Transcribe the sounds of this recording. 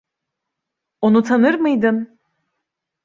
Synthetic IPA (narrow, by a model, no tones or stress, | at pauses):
onut̪ʰanɯɾmɯjd̪ɯm